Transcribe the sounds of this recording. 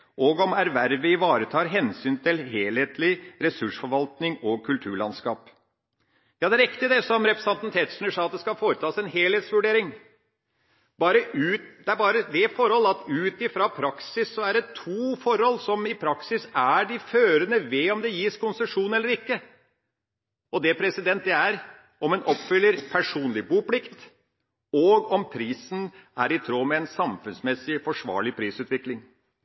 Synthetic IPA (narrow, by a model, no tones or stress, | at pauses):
ʔɔɡɔmæɾʋæɾʋəɪʋɑːɾət̪ʰɑːɾɦɛnsyːnt̪ʰɪlɦeːlheːt̪ʰlɪɾɛsʉʂfɔɾʋɑlt̪nɪŋɔkʰʉlt̪ʰʉ̰ːɭɑ̰nskɑ̰ːp | jɑːd̪ɛɾɛkt̪ɪd̪ɛsɔmɾɛpɾəsɛnt̪n̩t̪ʰeːt̪snəʂɑːɑt̪̚d̪ɛskɑlfoːɾət̪ʰɑːsɛnɦeːlheːt̪sʋʉɖeːɾɪŋ | bɑːɾəʉːtd̪ɛæbɑːɾəd̪ɛfɔɾhɔlːɑt̪ʉːt̪ɪfɾɑpʰɾɑksɪsːɔæɖɛt̪ʰuːfɔɾhɔlːsɔmɪpʰɾɑksɪsæɖɪføːɾənəʋɛɔmd̪ɛjiːskʊnsəʂuːnɛlːəɾɪkːə | ɔd̪ɛpʰɾɛsɪd̪ɛnt̪̚d̪ɛæɾ | ɔmɛnʔɔpːfʏlːəɾpʰæʂuːnlɪbuːplɪkt̪ | ɔɡɔmpʰɾiːsn̩æ̰ɾɪt̪ʰɾoːmɛɛnsɑmfʉnsmɛsːɪfɔʂʋɑ̰ːɭɪpʰɾiːsʉːt̪ʋɪklɪŋ